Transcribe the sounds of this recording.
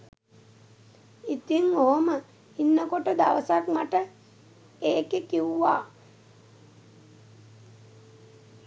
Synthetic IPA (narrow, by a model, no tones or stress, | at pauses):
it̪iŋoɦomə | inːəkoʈəd̪a̰ʋəsakmaʈə | eːkekiuʋa̰ː